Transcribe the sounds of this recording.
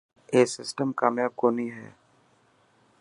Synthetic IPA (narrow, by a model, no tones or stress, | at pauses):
eːsɪsʈəmkaːmjaːb̚koːniɦɛ̰ː